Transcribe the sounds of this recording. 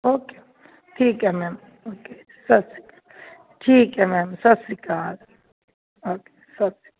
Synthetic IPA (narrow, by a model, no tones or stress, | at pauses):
oːke | ʈʰiːkɦɛmɛːm | oːke | sɐsi̥kḁː | ʈʰiːkɦɛmɛːmsɐsikaːl | oːke̥sɐbsi̥kː